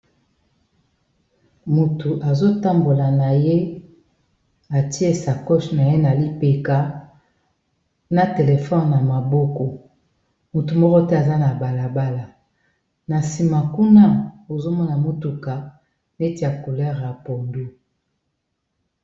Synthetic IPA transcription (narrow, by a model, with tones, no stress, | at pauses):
mu˨tu˨ʔa˨zo˦ta˦mbo˨la˨na˨je˦ | a˨ti˦e˦sa˨kɔ˦ʃna˨je˦na˨li˦pe˨ka˨ | na˦te˨le˨fɔ˦nna˨ma˨bɔ˦kɔ˨ | mu˨tu˨mɔ˦kɔ˦te˦a˨za˦na˨ba˨la˨ba˦la˨ | na˨si˨ma˨ku˦na˦o˨zo˦mɔ˦na˨mo˦tu˨ka˨ | ne˦ti˨˦a˨ko˨lɛ˦ʁpo˨ndu˦